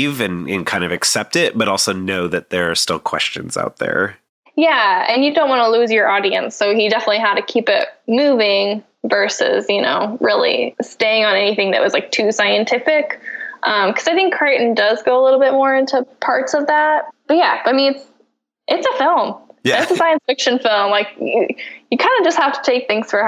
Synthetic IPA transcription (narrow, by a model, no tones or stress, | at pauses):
vɨ̃nɨ̰̃nkʰãɪ̃ndʌvɨksɛp̚tɪt̚b̥ʌɾɔlˠsoʊnoʊðɨt̪̚ðə˞ːstɪ̰lˠkʰw̥ɛ̰st͡ʃɨ̰̃n̩z̥a̰ʊt̪̚ðə̰˞ | jæɨ̃njɨdõʊ̃n̚ʔwɑ̃nəlʉzjə˞ʔɔɾiɨ̰̃nsoʊidɛfənətˡliɦəd̚tɨkʰipɪ̰t̚mʉvɪ̃ŋ | vɜ˞sɪ̰zjɨno̰ʊɹɪlˠḭsteɪɪ̃ŋə̃nɛniθɪ̃ŋðɨ̰ʔwʌzlaɪk̚tʰʉsaɪɨ̃ntʰɪfɪkʔʌ̃mkʰʌzaɪθɪ̃ŋkʰːɹ̥eɪʔn̩dʌzɡoʊəlɪɾl̩ˠbɪt̚mɔɹɪ̃ntʰupʰɑɹtsʌvðæt̚b̥ʌt̚jæb̥ʌɾaɪmĩnɨts | ʔɨtsəfɪlˠmjɪtsəsaɪɨ̃nsfɪkʃɨ̃nfɪlˠmlaɪkɨjɨkʰãɪ̃ndɨd͡ʒʌst̚hæftʰə̥tʰeɪk̚θɪ̃ŋz̥fə˞